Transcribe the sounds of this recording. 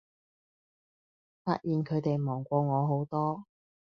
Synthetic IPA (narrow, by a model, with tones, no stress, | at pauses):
fa̰ː˧t̚jiː˨nkʰɵ˨˧ɥt̪e˨jmɔː˨˩ŋkʷɔː˧ŋɔː˨˧ɦo˨˥wt̪ɔː˥